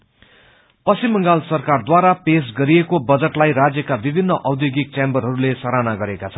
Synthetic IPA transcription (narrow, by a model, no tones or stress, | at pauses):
pʌst͡simːʌ̃ŋɡalsʌrkard̪waɾapes̬ɡʌɾiekobʌd͡zʌʈlajrad͡zjʌkabibʱinːʌʔʌwd̪joɡik̚t͡sambʌɾɦʌɾulesʌɾanaɡʌɾekat͡sʰʌn